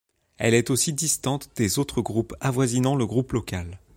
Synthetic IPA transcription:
ɛ̰lɛt̪osid̪ist̪ɑ̃t̪d̪̥ezot̪χəɡʁupavwazinɑ̃ləɡʁuplɔkal

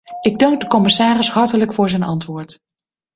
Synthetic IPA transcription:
ʔɪɡ̚dɑŋk̚dəkɔmɪsaːrɪshɑɹtələkfʊːɹzɛjnɑntʋʊːɹt

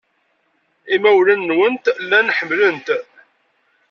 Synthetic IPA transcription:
imæwlænːwənt̪lːænħəmːlənt̪

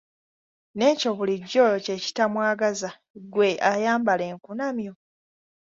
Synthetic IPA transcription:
ne̞ːco̞βuliɟːo̞joce̞ːci̥tamwaːɡaza | ɡwe̞ʔajaːmbale̞ːŋkunamjo̞

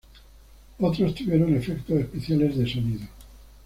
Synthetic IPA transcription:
ot̪ɾost̪uβjeɾone̞fekt̪oespeθjale̞zðesoniðo

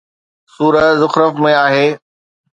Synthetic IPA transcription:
suːɾəzʊxɾəfmẽaːɦeː

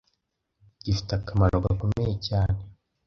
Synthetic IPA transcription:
ɟifi̥takʰamaɾoɡako̞mejecaːne

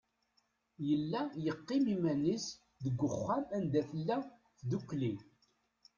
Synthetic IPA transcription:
jəlːæjəqːɪmimænis | ðəɡʷːəχːæmænd̪æθəlːæ | θd̪ukːli

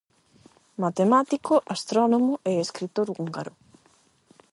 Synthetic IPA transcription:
mat̪emat̪ikoʔast̪ɾɔnomʊʔeeskɾit̪oɾuŋɡaɾʊ

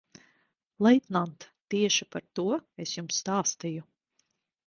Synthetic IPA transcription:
lˠɛjt̪nant̪ːiɛʃipaɾt̪uɔesjumsːt̪aːst̪iju

